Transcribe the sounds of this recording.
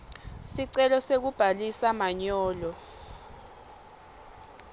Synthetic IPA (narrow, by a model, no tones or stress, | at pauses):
siǀɛlɔsek̬ub̥ʱalisamaɲɔːlɔ